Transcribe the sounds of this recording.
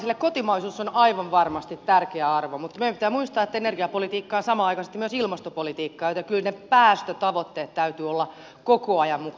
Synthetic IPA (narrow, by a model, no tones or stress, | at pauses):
silːekkot̪imɑisuːsːonɑiʋɑʋʋɑrmɑst̪it̪t̪ærkeæɑrʋomut̪ːmeempit̪æːmuist̪ɑːet̪ːæenerɡiɑpolit̪iːkːɑːsɑmɑɑikɑsest̪imyøsilmɑst̪opolit̪iːkːɑːjot̪jɑkylnepæːst̪øt̪ɑʋot̪ːeːt̪t̪æyt̪yolːɑ | kokoɑjɑmmuk